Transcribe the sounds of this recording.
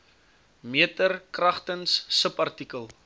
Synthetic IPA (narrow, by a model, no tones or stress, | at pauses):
miətərkrɐχtənsːəpɐrtikəlˠ